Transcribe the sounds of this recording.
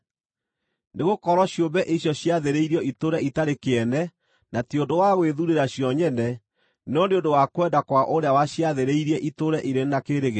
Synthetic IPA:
neɣokɔɾwɔɕjombɛʔiɕjɔɕjaðeɾeiɾiɔʔitoɾɛitaɾekeɛnɛ | nationdowaɣweðuɾeɾaɕjɔɲɛnɛ | nɔneondowakwɛndakwaʔoɾeawaɕjaðeɾeiɾiɛʔitoɾɛʔiɾenakeɾeɣe

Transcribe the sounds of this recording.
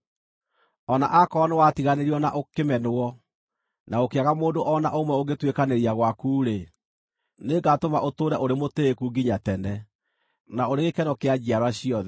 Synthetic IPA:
ɔna̰ʔakɔːnewatiɣaneɾiɔnaʔokemɛnoɔ | naokeaɣamoːndoʔɔna̰ʔomwɛoɣetwekaneɾiaɣwakuːɾe | neɡatomaʔotoːɾɛʔoɾemoteːkuːɡiɲatɛnɛ | naoɾeɣekɛnɔkead͡ʑiaɾwaɕiɔðɛ

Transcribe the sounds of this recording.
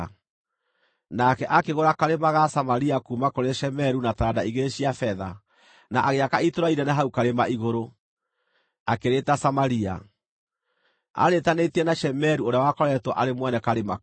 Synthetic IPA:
nakɛʔakeɣoɾakaɾemaɣasamaɾiakuːmakoɾeɛʃɛmɛɾunatadaiɣeɕiafɛða | naʔaɣeakaitoɾaiɾɛnaɦaukaɾemaiɣoɾo | akeɾetasamaɾia̰ | a̰ɾetanetiɛnaʃɛmɛɾuoɾeawakɔɾɛtwɔʔaɾemwɛnɛkaɾema

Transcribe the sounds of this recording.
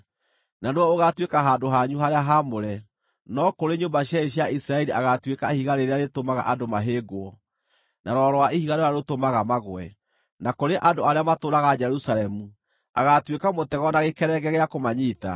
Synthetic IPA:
nanwɔoɣatwekaɦaːndoɦaɲuɦaɾeaɦamoɾɛ | nɔkoɾeɲombaɕjaeɕjaʔisɾaɛɾiaɣatwekaihiɣaɾeɾeaɾetomaɣa̰ʔadomaɦeːɡoɔ | naɾɔɾɔwaʔihiɣaɾeɾaɾotomaɣamaɣwɛ̰ | nakoɾeʔandoaɾeamatoːɾaɣad͡ʒɛɾusalɛmu | a̰ɣatwekamotɛɣɔnaɣekɛɾɛɡɛɣeakomaɲiːta̰

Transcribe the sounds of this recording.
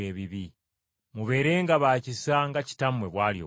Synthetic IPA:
eβiβi | muβe̞ːɾe̞ːŋɡaβaːcisaŋɡaci̥tamwe̞βwaːljo̰

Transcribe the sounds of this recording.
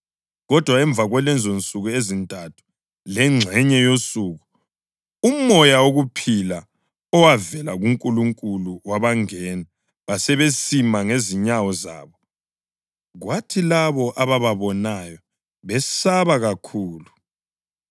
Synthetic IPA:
ɣɔd̥ʱwaɛɱb̪vʱaɣwɛlɛnd͡zʱont͡sʼuɣuezintʼatʰu̥ | lɛŋ͡ǁʱɛɲɛjosuːɣu | umɔjaoɣupʰila | ɔwavɛlaɣuŋkʼuluŋkʼuluwaβaŋɛːna | βasɛβesimaŋeziɲawɔza̰ːβɔ | ɣwatʰilaβɔʔaβaβaβɔnajɔ | βɛsaβaɣakʰuːlu

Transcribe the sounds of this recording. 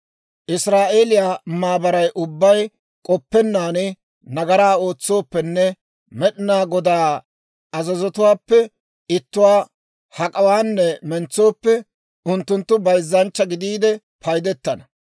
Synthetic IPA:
ʔɪsɾaːʔe̞ːlɪjaːmaːbɐɾɐjʔʊbːɐj | kʼɔpːɛnːaːnɪ | nɐɡɐɾaːo̞ːt͡sːo̞ːpːɛnːɛ | mɛɗɪnaːɡɔd̪aː | ɐzɐzɔt̪ʊwaːpːɛ | ɪt̪ːʊwaː | hɐkʼɐwaːnːɛmɛnt͡sːo̞ːpːɛ | ʊnt̪ːʊnt̪ːʊbɐjzːɐnt͡ʃːɐɡɪd̪iːd̪ɛ | pʰɐjd̪ɛt̪ːɐnɐ

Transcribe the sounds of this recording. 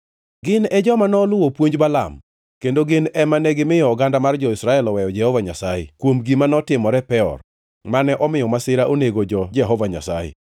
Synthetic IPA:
ɡɪnɛd͡ʒɔmanɔlʊwopwoɲd͡ʒbala̰m | kendoɡɪnɛmanɛɡɪmɪjɔːɡandamard͡ʒɔɪsɾaɛlɔwɛjɔd͡ʒɛhɔvaɲasajḛkwomɡimanɔtɪmɔɾɛpɛɔ̰r | manɛʔɔmɪjɔmasɪɾaʔoneɡod͡ʒɔd͡ʒɛɦɔvaɲa̰sajḛ

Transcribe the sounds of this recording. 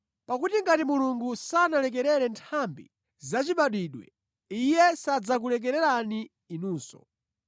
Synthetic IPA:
pakutiŋɡatimuluŋɡusanalɛk̬ɛɾɛɾɛntʰambḭ | zat͡ʃiɓaɗwiːɗwɛ̰ | ijɛsad͡zak̬ulɛk̬ɛɾɛɾaniː | nuːsɔ̰

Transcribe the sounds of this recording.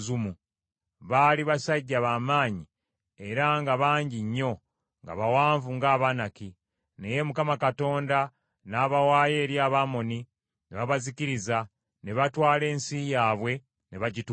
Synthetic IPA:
zumu | βaːliβasaɟːaβaːmaːɲi | e̞ɾaŋɡaβaːɲɟiɲːo̞ | ŋɡa̰βawaːɱvuŋɡaːβanaki | ne̞je̞mukamakato̞ːnda | naːβawaːje̞ːɾjaːβamo̞ni | neβaβaziciɾiza | ne̞βatwaːle̞ːnsijaːβwe̞ | ne̞βaɟit

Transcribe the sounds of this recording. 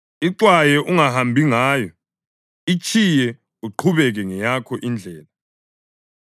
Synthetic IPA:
iǀwajɛʔuŋahambʱiŋaːjɔ | it͡ʃʰʼijɛ | uǃʰuβɛɣ̬ɛŋɛjakʰɔʔind͡ɮʱɛːla

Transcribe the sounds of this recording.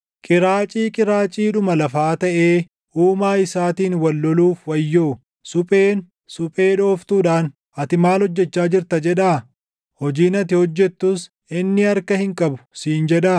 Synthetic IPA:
kʼɪɾaːt͡ʃʼiːkʼɪɾaːt͡ʃʼiːᶑʊmɐlɐfaːt̪ɐʔe̞ː | ʔuːmaːɪsaːt̪iːnwɐlːɔluːfwɐjːoː | sʊpʼeːn | sʊpʼe̞ːᶑo̞ːft̪uːᶑaːn | ɐt̪ɪmaːlhɔd͡ʒːɛt͡ʃːaːd͡ʒɪɾt̪ɐd͡ʒɛᶑaː | hɔd͡ʒiːnɐt̪ɪhɔd͡ʒːɛt̪ːʊs | ɪnːɪɐɾkɐhɪŋkʼɐbʊ̥siːnd͡ʒɛᶑaː

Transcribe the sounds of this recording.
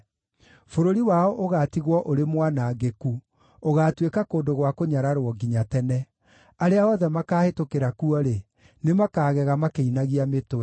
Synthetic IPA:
foɾoɾiwaɔʔoɣatiɣwɔʔoɾemwanaɡeku | oɣaːtwekakoːndoɣwakoɲaɾaɾwɔɡiɲatɛnɛ | aɾeaɔðɛmakaːhetokeɾakuɔɾe | nemakaːɣɛɣamakeinaɣiametowɛ

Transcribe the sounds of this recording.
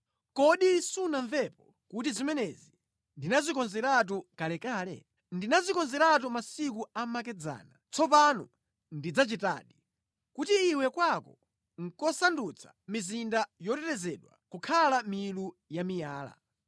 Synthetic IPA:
kɔɗisunaɱvɛpɔ | kut̬izimɛnɛzi | ndinazikɔnzɛɾat̬ukalɛkaːlɛ̰ | ndinazikɔnzɛɾat̬umasik̬uamakɛd͡za̰ːnat͡sɔp̬anɔ̰ | ndid͡zat͡ʃita̰ːɗi | kutiːwɛkwakɔ | ŋ̩kɔsandut͡sʰḁ̰mizindajɔtɛɾɛzɛɗwa̰kukʰalamilu | jamijaːla̰

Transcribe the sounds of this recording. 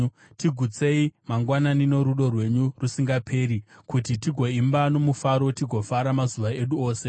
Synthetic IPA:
tiɡʱut͡se̞imaŋɡwananino̞ɾuɗo̞rwe̞ɲurusiŋɡapʰe̞ɾikutitiɡʱo̞imbano̞mufaɾo̞tiɡʱo̞faɾamazuʋae̞ɗuo̞ːse̞

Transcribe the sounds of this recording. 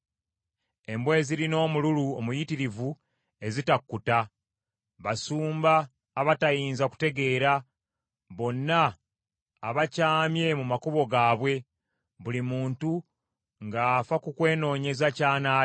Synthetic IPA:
e̞mbwe̞ːziɾino̞ːmululuomujitiɾivu | e̞zitakːuta | βasuːmbaː | βatajiːnzaku̥te̞ɡe̞ːɾa | βo̞nːaː | βacaːmje̞mumakoβo̞ɡaːβwe̞ | βulimuːntu | ŋɡaːfakukwe̞ːno̞ːɲe̞zacaːnaː

